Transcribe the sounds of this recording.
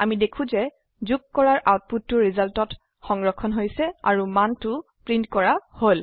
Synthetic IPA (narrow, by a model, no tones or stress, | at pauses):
amidekʰũzɛ | zukkɔɹaɹʔawt̚putːʊɹizaltɔt | xɔŋɡɹɔkʰːɔnɦojsɛa̰ɹumantʊ | pɹintkɔɹahol